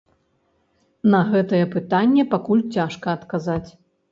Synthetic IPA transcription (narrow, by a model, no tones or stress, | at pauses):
nɐɣɛt̪ɐjɛpɨt̪anʲːɛpakulʲt͡sʲaʂkɐːt̪kazat͡sʲ